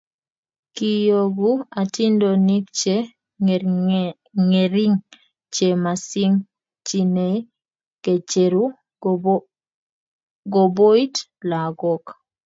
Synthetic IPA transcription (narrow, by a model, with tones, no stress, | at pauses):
ki˨jo˨ɡu˦a˨ti˦ndo˨ni˦k̚t͡ʃe˦ | ŋeɾi˦ŋ | t͡ʃe˨ma˨si˦ŋ | t͡ʃine˨ | ke˨t͡ʃe˨ɾu˦ | ɡo˨bo˦i˦tla˨ɡɔ˦k